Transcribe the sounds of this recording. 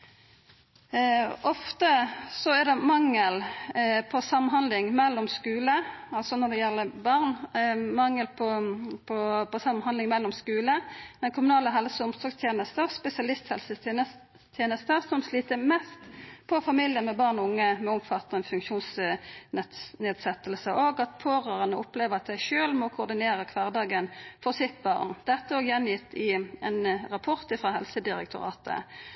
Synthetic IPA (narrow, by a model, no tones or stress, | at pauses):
ʔɔft̪əsɔɛɾd̪ɛmɑŋːəlpʰɔsɑmːənɦhɑnd̪lɪŋmɛlːɔmskʉːləɑlsɔnɔd̪ɛjɛlːəbɑʁnmɑŋːəlpʰɔpʰɔpʰɔsɑmːnhɑnd̪ɪŋmɛlːɔmskʉːləd̪ɛnkʰʊmʉnɑːləɦɛlsəʊmsɔɡst̪ʰjeːnəst̪əspɛsɪɑlɪst̪hɛlsə | t̪ʰjeːnəst̪əsɔmsliːt̪əmɛst̪pʰɔfɑmiːljənmɛbɑːʁnɔʊŋːəmɛɔmfɑt̪ɛnfʉŋkʃuːns | neːd̪sɛt̪ːəlsəʔoːɡɑt̪pʰoːʁœːʁənəʊpleːʋəʁɑt̪̚d̪æɪʃøːlmɔkʰʊʁd̪ɪneːʁəkʰʋɑːʁd̪ɑːɡənfɔʁsɪt̪bɑ̰ʁnd̪̥ɛt̪ːəɔjɛnjɪt̪ːɪɛnʁɑpʰɔʁt̪ɪfʁɑːɦɛlsəd̪ɪɾɛ̰k̚t̪ʰʊʁɑ̰ːt̪ʰə̰